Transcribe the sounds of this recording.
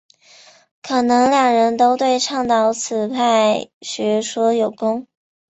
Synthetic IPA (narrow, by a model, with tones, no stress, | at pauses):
kʰɤ˨˩nɤ˧˥ŋljɑ˨˩ŋɻə˧˥nt̪o˥ʊt̪we˥˧ɪʈ͡ʂʰɑ˥˩ŋt̪ɑ˧˥ʊt͡sʰɹ̩˨˩pʰa˥˩ɪɕɥɛ˧˥ʂwɔ˥jo˨˩ʊkʊ˥ŋ